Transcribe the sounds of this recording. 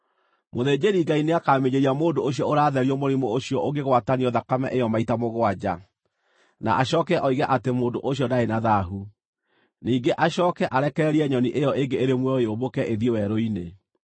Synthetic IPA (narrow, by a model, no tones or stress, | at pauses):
moðeːd͡ʑeɾiŋɡaineakaːmeɲeɾiamoːndooɕjɔoɾaːðɛɾiɔmoɾimooɕjɔoɡeɣwataniɔðakamɛ̰ʔejɔmaitamoɣwad͡ʑa | na̰ʔaɕɔːkɛʔɔiɣɛʔatemoːndoʔoɕiɔdaenaðaɦu | niːŋɡeʔaɕɔːkɛʔaɾɛkɛɾiɛɲɔniʔejɔʔeŋɡeeɾemwɛɔeobokɛʔeðjewɛɾoine